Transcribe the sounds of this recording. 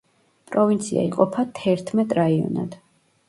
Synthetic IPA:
pʼɾɔvint̪sʰḭa̰iqʼɔpʰat̪ʰɛɾt̪ʰmɛt̪ʼɾaiɔ̰na̰d̪̥

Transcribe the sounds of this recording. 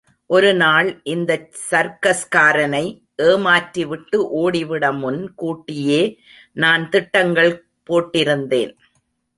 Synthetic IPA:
ʔɔɾɯnaːɭʔɪnd̪ɐ | sɐɾkɐskaːɾɐnɐɪ | ʔeːmaːʈɾiʋɪʈːɯʔoːɽɪʋɪɽɐmʊnkuːʈːɪjeː | naːnt̪ɪʈːɐŋɡɐɭ | poːʈːɪɾɯnd̪ḛːn

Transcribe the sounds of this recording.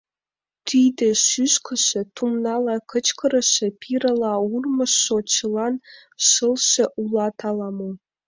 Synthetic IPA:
t̪ʰyjd̪ĕʃyʃkʰə̆ʃĕt̪umnɑlˠɑkə̆t͡ɕkɤ̆ɾɤ̆ʃĕpʰʲiɾɤ̆lˠɑurmɤ̆ʃːot͡ɕɤ̆lˠɑn | ʃɤlˠʃĕʔulˠɑt̪ʰɑlˠɑmo

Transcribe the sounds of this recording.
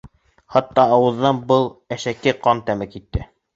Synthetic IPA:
χɑt̪ːɑːwɤ̆ðːɑnbɤlˠæʃækɘqɑnt̪æmɘkit̪ːɘ

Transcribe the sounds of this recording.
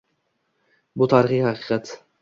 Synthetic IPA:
bʊt̪ʰaɾɪχihaqʰɨːqɑt̪

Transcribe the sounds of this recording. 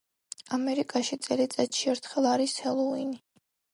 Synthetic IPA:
amɛɾikʼaʃit̪sʼɛlit̪sʼɛt̪ʰʃiɛɾt̪ʰχɛlˠaɾishɛlˠɔini

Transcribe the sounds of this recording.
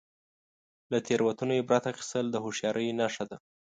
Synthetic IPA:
lat̪ʰeɾwat̪unojebɾat̪axi̥st̪əld̪əhoʃjɑɾʔəjnaʂad̪a

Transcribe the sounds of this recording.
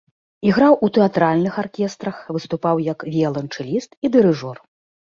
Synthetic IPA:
iɣɾawʔut̪ɛat̪ɾalʲnɨxarkʲɛst̪ɾɐxvɨst̪upawjɐkvʲiɛlˠɐnt͡ʂɨlʲist̪id̪ɨɾɨʐɔr

